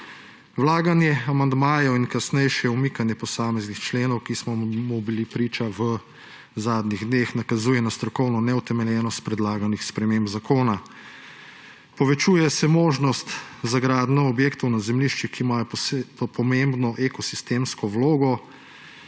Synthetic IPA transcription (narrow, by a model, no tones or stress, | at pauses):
wlaːɡanjɛamand̪maːjɔinkasnɛjʃɛumikanjɛpɔsaːmɛznixt͡ʃleːnɔwkismɔmubilipɾiːt͡ʃaʋə | zaːd̪niɣd̪neːxnakazuːjɛnast̪ɾɔkɔwnɔnɛut̪ɛmɛljɛːnɔst̪̚pɾɛd̪laːɡanixspɾɛmembzakʰoːna | pɔʋɛt͡ʃuːjɛsɛmoːʒnɔst̪zaɡɾaːd̪nɔɔbjeːkt̪ɔwnazɛmliʃt͡ʃixkiːmajɔpɔmembnɔʔekɔsist̪eːmskɔwloːɡɔ